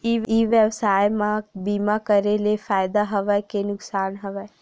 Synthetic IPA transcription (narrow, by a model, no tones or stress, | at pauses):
iiʋjəwsaːjmãbiːmakəɾelefaːjd̪aɦɐʋɛkenʊksaːnɦɐʋɛ